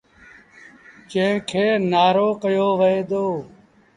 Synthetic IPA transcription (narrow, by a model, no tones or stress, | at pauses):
t͡ʃẽːkʰeːnaːɾoːkəjoːʋəeːd̪oː